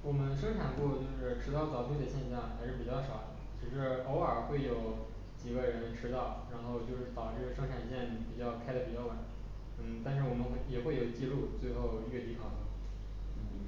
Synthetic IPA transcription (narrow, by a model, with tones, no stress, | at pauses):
wɔ˨˩mə˦nʂɤ˥ŋʈ͡ʂʰa˨˩npu˥˧t͡ɕjo˥˧ʊʂɻ̩˥˩ʈ͡ʂʰɻ̩˥t̪ɑ˥˩ʊt͡sɑ˨˩ʊt̪i˥˩d̪ə˩ɕjɛ˥˧nɕjɑ˥˩ŋxa˧˥ɪʂɻ̩˥˩pi˨˩t͡ɕjɑ˥˩ʊʂɑ˨˩˦ʊ | t͡ɕʰi˧˥ʂɻ̩˧˥o˧˥ʊə˞˨˩xwe˥˩ɪjo˨˩˥ʊ | t͡ɕi˨˩ɡə˦ɻə˧˥nʈ͡ʂʰɻ̩˥t̪ɑ˥˩ʊɻa˧˥nxo˥˧ʊt͡ɕjo˥˧ʊʂɻ̩˥˩t̪ɑ˨˩ʊʈ͡ʂɤ˥˩ɡə˩ʂɤ˥ŋʈ͡ʂʰa˨˩nɕjɛ˥˩npi˨˩t͡ɕjɑ˥˩ʊkʰa˥ɪd̪ə˨˩pi˨˩t͡ɕjɑ˥˩ʊwa˨˩˦n | n̩˥˩t̪a˥˧nʂ̬ɻ̩˥˩wɔ˨˩mə˦nxjɛ˨˩xwe˥˩ɪjo˨˩ʊt͡ɕi˥˧lu˥˧t͡swe˥˧ɪxo˥˧ʊ˥y˥˩t̪i˧˥kʰɑ˨˩ʊd̪ə˧˥ | n̩˥˩